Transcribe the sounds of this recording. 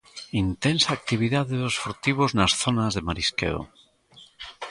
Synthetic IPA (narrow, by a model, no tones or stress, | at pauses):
int̪ensaːk̚t̪iβ̞iðaðeðosfoɾt̪iβoznasθonazðemaɾiskḛo̰